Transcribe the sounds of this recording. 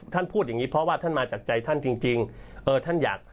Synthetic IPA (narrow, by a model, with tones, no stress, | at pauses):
t̪ʰa˥˩npʰuː˥˩t̪̚ja˨˩ŋiː˦˥pʰɾɔ˦˥waː˥˩t̪ʰa˥˩nmaː˧t͡ɕaː˨˩k̚t͡ɕa˧jt̪ʰa˥˩nt͡ɕi˧ŋt͡ɕi˧ŋʔɤː˧t̪ʰa˥˩njaː˨˩k̚